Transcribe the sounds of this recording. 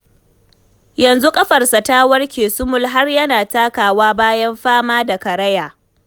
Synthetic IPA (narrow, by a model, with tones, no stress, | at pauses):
jɐ˨nzu˦kʼɐ˦ɸɐ˨rsɐ˨taː˦wɐ˦rkʲeː˨sʊ˦mʊ˦lɦa˦rjɐ˦naː˨taː˦kaː˨waː˦baː˦jɐ˦mɸaː˦maː˦da˨kɐ˨ɾɐ˦jaː˨